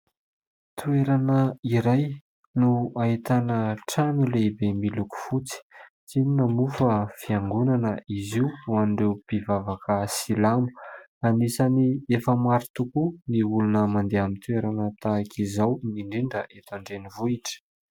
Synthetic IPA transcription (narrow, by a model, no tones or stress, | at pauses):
t̪ueɾanəiɾaj | nuait̪anəʈ͡ʂanilebemiluku̥fut͡si̥t͡sininamufəfiaŋɡunanəiziwuanɖ͡ʐewpivavakəsilamu̥ | anisaniefəmaɾit̪ukuniulunəmand̪eamint̪ueɾanət̪aːkʰizawniɳɖ͡ʐiɳɖ͡ʐəʔet̪aɳɖ͡ʐenivuiʈ͡ʂə̥